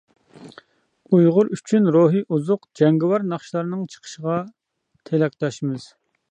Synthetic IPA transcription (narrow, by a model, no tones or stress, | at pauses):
ujʁʊɾyt͡ʃʰynɾoɦiʔuzʊqd͡ʒɛŋɡɪwɑɾnɑχʃlˠɑɾɨnɨŋt͡ʃʰə̥qʰə̥ʃəʁɑ | t̪ʰelɛk̚ʲt̪ɑʃimɨz̥